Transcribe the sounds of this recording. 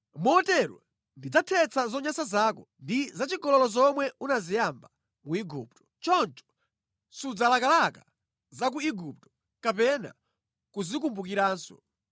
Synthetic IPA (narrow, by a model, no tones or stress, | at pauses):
mɔtɛɾwa̰ | ndid͡zatʰɛt͡sʰazɔɲasazaːkɔndizat͡ʃiɡɔlɔlɔzɔmwɛunazijamba | muiɡṵːp̚tɔ̥t͡ʃɔnt͡ʃɔ̥ | sud͡zalakalaka | zak̬uiɡup̚tɔ̥ | kapɛna̰ | kuzik̬umbuk̬iɾaːnsɔ̰